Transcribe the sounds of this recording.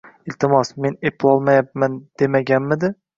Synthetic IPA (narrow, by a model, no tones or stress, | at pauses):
ɪlt̪ʰɪmɒsme̞nepʰlˠɒlˠmajap̚mand̪̥e̞maɡʲanmɪd̪ɪ